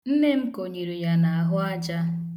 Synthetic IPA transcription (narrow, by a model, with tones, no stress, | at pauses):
n̩˦ne˦m̩˦ko˨ɲi˨ɾi˨ja˨na˨a˨ɦʊ˦a˦d͡ʒa˦